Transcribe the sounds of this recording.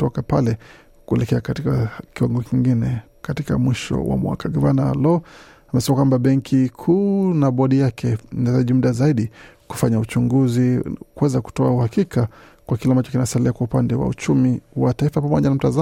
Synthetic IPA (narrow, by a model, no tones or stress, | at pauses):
tɔkapalɛ | kuɛ̰lɛkɛakatikakiwaŋɡɔkiŋɡinɛ | katika̰mwiʃɔ̰wa̰mwa̰kaɡɔvanalɔ | amɛsɛmakwambaɓɛŋkʰikʰuːnaɓɔɗijakʰɛinazaʄim̩ɗazaiɗiku̥faɲaut͡ʃuŋɡuzikuwɛzaku̥tɔauhakikakwakilambat͡ʃɔ̥kinasaliakwaupandɛwa̰ṵt͡ʃumiwataifapamɔʄanam̩taza